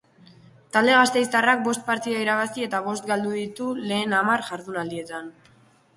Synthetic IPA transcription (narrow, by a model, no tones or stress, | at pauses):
t̪ald̪e̞ɣ̞ast̪e̞jst̪arak̚bo̞st̪̚paɾt̪iðaiɾaβasie̞t̪aβ̞o̞st̪̚ɡald̪uðit̪ule̞ːnamaɾʝaɾðunald̪ie̞t̪an